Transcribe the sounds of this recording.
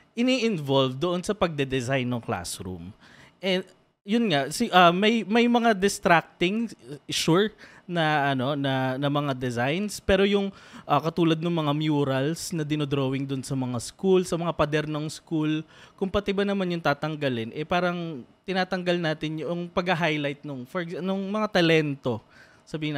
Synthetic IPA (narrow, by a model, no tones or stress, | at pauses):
ʔɪniːʔɪnvolvd̪oʔo̞nsɐpɐɡ̚d̪ɛd̪ɛzajnːɐŋkla̰sɾṵm | ʔɛ | jʊnŋasɪʔɐmɐjmɐjmɐŋad̪ɪst̪ɾak̚t̪ɪŋʃuɹ | nɐʔɐno̞nɐnɐmɐŋad̪ɛzajnspɛːɾo̞jʊŋʔɐkɐt̪uːlɐd̪̚nɐŋmɐŋamjuːɾɐlsnɐd̪ɪnod̪ɾoːwɪŋd̪ʊnsɐmɐŋaskulsɐmɐŋapɐd̪ɛɾnɐŋskulkʊmpɐt̪ɪbɐnɐmanjʊŋt̪aːt̪ɐŋɡɐlɪnʔɛpaːɾɐŋt̪ɪnaːt̪ɐŋɡɐlnaːt̪ɪnjʊŋpɐɡɐɦajlajt̪̚noŋfkanʊŋmɐŋat̪ɐlɛnt̪o̞ | sɐbiːhɪn